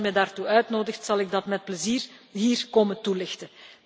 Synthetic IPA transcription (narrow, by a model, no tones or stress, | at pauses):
mɛdaːrtuœɥtnoːdəxtsɑlˠɪɡ̚dɑtmɛt̚pləziːrɦiːrkoːməntulɪxtə